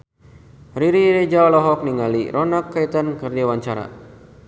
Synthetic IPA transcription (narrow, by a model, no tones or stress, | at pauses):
riɾiɾed͡ʒalɔɦɔk̚niŋalḭɾʔɔnakːait̪ankərdawaɲt͡ʃaɾa̰